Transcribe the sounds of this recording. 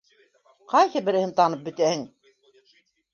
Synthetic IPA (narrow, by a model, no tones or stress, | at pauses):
qɑjhɤbɘ̆ɾɘ̆hɘnt̪ɑnɤp̚bɵ̆t̪æhɘŋ